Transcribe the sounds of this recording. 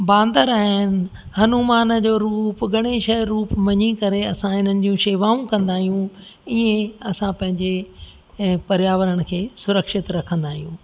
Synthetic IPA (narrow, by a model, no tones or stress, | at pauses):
bãːnd̪əɾaːɦɪnɪ̆ | hɐnumaːnəd͡ʑoːɾuːpɡʱɐɽ̃eʃɐɾːuːpmɐɲikɐɾeɐsãɦɪn̤ənɪ̆d͡ʑijũʃeːʋaːũkɐ̃nd̪aːɦijũ | iẽɐsãpɐ̃ɦɪ̃ɲd͡ʑe | pɐɾjaːʋəɾəɽ̃̆kʰeːsʊɾəkʃɪt̪ɾɐkʰə̃nd̪aːɦijũː